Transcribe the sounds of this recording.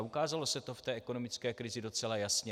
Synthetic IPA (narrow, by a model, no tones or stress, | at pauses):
ukaːzalo̞sɛt̪o̞ft̪ɛːʔɛko̞no̞mɪt͡skɛːkɾɪzɪdo̞t͡sɛlajasɲɛ